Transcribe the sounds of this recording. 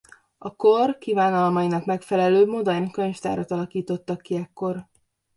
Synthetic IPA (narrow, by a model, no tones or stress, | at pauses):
ɒkorkivaːnɒlmɒjinɒkmɛkfɛlɛløːbmod̪ɒnkøɲʃt̪a̰ːɾɒt̪ɒlɒkiːt̪o̞t̪ːɒkːiɛkːo̞r